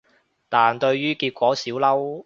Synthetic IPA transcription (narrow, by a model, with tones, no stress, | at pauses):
t̪aː˨nt̪ɵ˧ɥɥyː˥kiː˧t̚kʷwɔː˨˥siː˨˥wlɐ˥w